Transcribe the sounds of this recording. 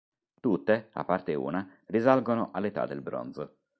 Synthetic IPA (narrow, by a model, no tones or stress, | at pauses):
t̪ut̪ːea̰pːart̪eṵːnarizalɡonoʔalːet̪a̰d̪elbɾɔ̰nz